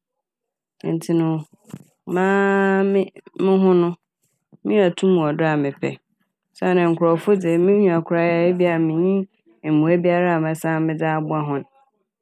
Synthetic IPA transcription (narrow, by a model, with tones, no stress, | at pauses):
n̩˨tʰɪ˨nʊ̃˨ | mãː˦mɪ˦mɪ̃˦ɦʊ̃˦nʊ̃˦ | mɪ̃˦a˨tʰũ˦m̃˨ɔ˨dʊ˦a˨mɪ̃˨pʰɛ̰˨ | sa˦nã˨ŋ̩˨kʰʊ˨ɾɔ˨fʊ˦dɪ˨mɪ̃˦ɲũ˨a˨kʰʊ˨˦ɾa˦jɛ˦bi˦a˦˨mɪ̃˨ɲĩ˦˨ | mũ˨æ˦bi˦a˦ɾa˦˨mɛ̃˨sã˦mɪ̃˦d͡za˦bʊ˦a˦ɦʊ̃˦n